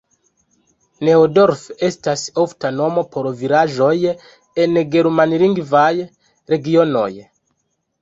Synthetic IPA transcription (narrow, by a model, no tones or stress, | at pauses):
neodo̞ɾfe̞stasoftano̞mo̞pʰoɾviɾaʒo̞j | enɡeɾmanɾiŋɡvaj | ɾe̞ɡiono̰j